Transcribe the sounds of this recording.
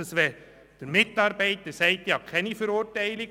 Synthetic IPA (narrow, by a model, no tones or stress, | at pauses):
əsʋɛ | d̥əɾmɪtɑɾbɛɪtəɾsɛɪtjɑkʰɛnifəɾʊɾtæɪlɪ